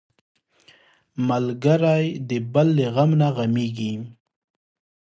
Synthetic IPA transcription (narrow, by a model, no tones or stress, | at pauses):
malɡaɾajd̪əbalːeɣamnaɣameɡi